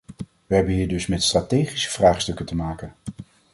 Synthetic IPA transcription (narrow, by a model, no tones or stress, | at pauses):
ʋəɦɛbənɦiːɹdɵsmɛtstraːtejχisə̥v̥raːχstɵkətəmaːkən